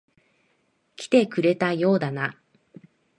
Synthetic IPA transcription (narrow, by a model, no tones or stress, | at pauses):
kʲi̥t̪e̞kɯ̟ɾe̞t̪ajo̞ːd̪ana